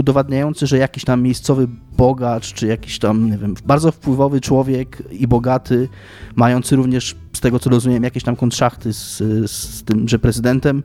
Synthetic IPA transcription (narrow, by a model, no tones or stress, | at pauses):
ud̪ɔvad̪ɲajɔnt̪sɘʐɛjakʲiɕt̪amːjejst̪sɔvɘbɔɡat͡ʂt͡ʂɘjakʲi̥ɕt̪amɲɛvʲjɛmbaɾd̪zɔfpwɘvɔvɘt͡ʂwɔvʲjɛkibɔɡat̪ʰɘ | majɔnt̪sɘɾuvɲɛʂ | st̪ɛɡɔt̪sɔɾɔzumʲɛɛmjakʲeɕt̪amkɔnt̪ʂaxt̪ɘsst̪ɘmʐɛpɾɛzɘd̪ɛnt̪ɛm